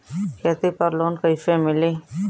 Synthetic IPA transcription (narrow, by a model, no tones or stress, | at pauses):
kʰeːt̪ipɐɾloːnkəifemɪli